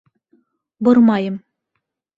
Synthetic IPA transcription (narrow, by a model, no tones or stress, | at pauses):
boɾmɑjɤm